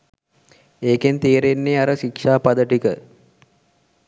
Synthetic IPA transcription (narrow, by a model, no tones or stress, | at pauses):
eːkent̪eːɾenːeːaɾəʃikʂaːpad̪əʈikə